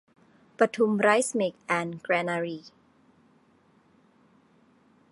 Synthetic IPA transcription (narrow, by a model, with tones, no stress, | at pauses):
pɾa˧t̪ʰu˧mɾaː˦˥jsme˨˩k̚ʔɛː˧nkɾɛː˧na˧ɾiː˧˩